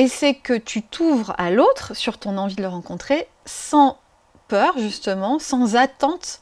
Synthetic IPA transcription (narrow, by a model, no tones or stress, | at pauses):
esɛkət̪ʰyt̪ʰuvʁa̰lot̪χsyʁt̪ɔ̃nɑ̃vid̪ələʁɑ̃kɔ̃t̪χe | sɑ̃ | pœʁʒyst̪əmɑ̃sɑ̃zat̪ɑ̃t̪